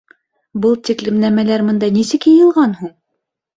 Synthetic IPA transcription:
bɤlˠt̪iklɘ̆mnæmælæɾmɤ̆nd̪ɑnisɘkjɤ̆jɤ̆lˠʁɑnhuɴ

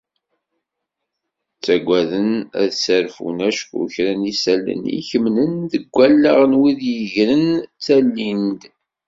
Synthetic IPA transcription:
t͡sːæɡʷæðənæ̰ðsæɾfṵnæʃkṵçɾænisælə̰nḭçəmnənðəɡʷːælːaʁənwiðjəʝɾənt͡sːælːind̪

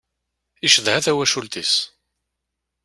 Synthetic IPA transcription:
iʃəðʕaθæwæʃult̪is

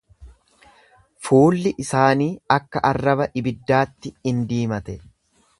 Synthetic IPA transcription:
fuːlːɪʔɪsaːniːɐkːɐʔɐrːɐbɐʔɪbɪd̪ːaːt̪ːɪɪnd̪iːmɐt̪ɛ

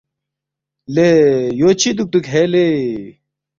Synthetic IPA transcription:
lejoːt͡ɕʰid̪uk̚t̪ukɦele

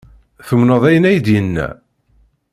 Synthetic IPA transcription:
θəmnəðˤæjənæjd̪jənːæ̰

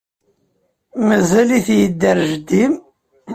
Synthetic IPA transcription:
mæzæliθjəd̪ːəɾʒəd̪ːim

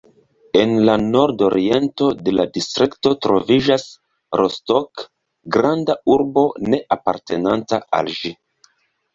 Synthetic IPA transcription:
e̞nlano̞ɾdo̞ɾie̞nto̞de̞ladistɾikto̞tɾo̞̰vid͡ʒas | ɾostok | ɡɾandauɾbo̞ne̞ʔapaɾte̞nantaa̰lʒi

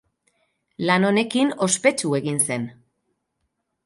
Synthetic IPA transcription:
lano̞ne̞kino̞spe̞t͡ʃue̞ɣinse̞n

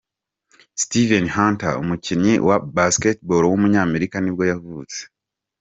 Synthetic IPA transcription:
stivenhaːntao̰muciɲɲiwa̰basketboɾowumuɲaːme̞ɾikanibjo̞javuːt͡se̥

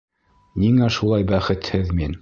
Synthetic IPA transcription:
niŋæʃulˠɑjbæχɘ̆t̪hɘðmin

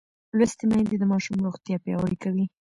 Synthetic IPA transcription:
lwast̪emahɪnd̪ed̪əmɑʃumɾoxt̪jɑpjɑ̰waɾikawi

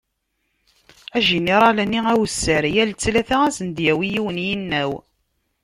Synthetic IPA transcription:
æʒiniɾˤɑlæniæwsːəɾjælt͡sːlæθææsənd̪jæwijiwənjinːæw

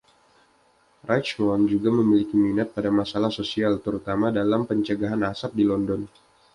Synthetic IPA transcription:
rʔat͡ʃwɔnd͡ʒuɡaməmilikiminat̪̚padamasalahsosialt̪əɾut̪amadalampəɲt͡ʃəɡaɦanasap̚dilɔndɔn

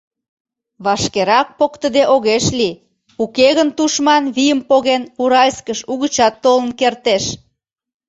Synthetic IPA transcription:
βɑʃkeɾɑk̚pokt̪əd̪eʔoɣeʃli | ukeɣənt̪uʃmɑnβijəmpoɣenuɾɑlʲskəʃuɣət͡ɕɑt̪ːolə̆nkert̪eʃ

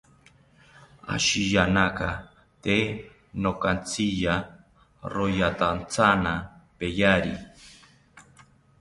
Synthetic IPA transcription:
a̰ʃijanaka | t̪e | nokant͡sija | ɾojat̪ant͡sanapejaɾḭ

